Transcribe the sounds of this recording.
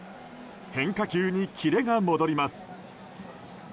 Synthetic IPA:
hẽ̞ŋkakʲɨːɲ̟ikʲʰiɾe̞ɡamo̞d̪o̞ɾʲimasɨ̥

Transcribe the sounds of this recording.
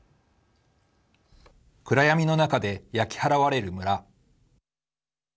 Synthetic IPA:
kɯ̟ɾajamʲino̞nakad̪e̞jakʲi̥haɾaβaɾe̞ɾɯ̟mɯ̟ɾa

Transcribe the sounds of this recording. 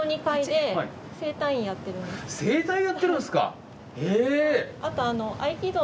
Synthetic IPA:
oɲ̟ikaid̪e̞i | se̞ːt̪ãɰ̃ĩjat̪ːe̞ɾɯ̟̃neseːt̪ãĩjat̪ːeɾɯ̟̃nsɨ̥ka̰ | eat̪o̞ano̞ʔaikʲid̪o

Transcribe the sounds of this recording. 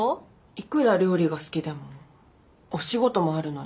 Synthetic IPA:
o | ikɯ̟ɾaɾʲo̞ːɾʲiɡasɨ̥kʲid̪e̞mo | oɕiɡo̞t̪o̞mo̞aɾɯ̟no̞

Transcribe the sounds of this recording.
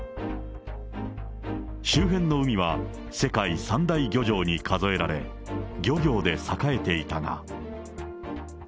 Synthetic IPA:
ɕɨːɦẽ̞nːo̞ɯ̟mʲiβ̞a | se̞kaisãnd̪aiɡʲo̞ʑo̞ːɲ̟ikʰazo̞e̞ɾaɾe̞̰ | ɡʲo̞ɡʲo̞ːd̪e̞sakae̞t̪e̞it̪aŋa̰

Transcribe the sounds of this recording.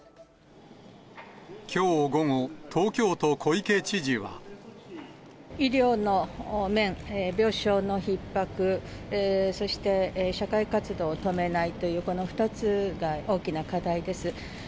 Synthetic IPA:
kʲʰo̞ːɡo̞ŋot̪ʰo̞ːkʲo̞ːt̪o̞kʰo̞ike̞ːt͡ɕiʑiβa̰ | iɾʲo̞ːno̞mẽ̞ŋbʲjo̞ːɕo̞ːno̞çipːakɯ̟ | so̞ɕi̥t̪e̞ɕakaikat͡sɨd̪o̞ːt̪o̞me̞nait̪o̞jɯ̟ːko̞no̞ɸɯ̟̥t̪at͡sɨɡao̞ːkʲinakad̪aid̪e̞sɨ

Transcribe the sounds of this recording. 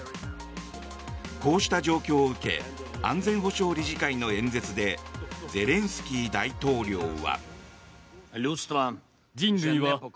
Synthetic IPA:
ko̞ːɕi̥t̪ad͡ʑo̞ːkʲo̞ːɯ̟ke̞̰ãnd͡zẽ̞ɰ̃ɦo̞ɕo̞ːɾʲiʑikaino̞ẽ̞nd͡ze̞t͡sɨd̪e̞d͡ze̞ɾẽ̞ɰ̃sɨ̥kʲiːd̪ait̪o̞ːɾʲo̞ːβa̰ | ust̪a | d͡ʑĩnɾɯ̟iβa

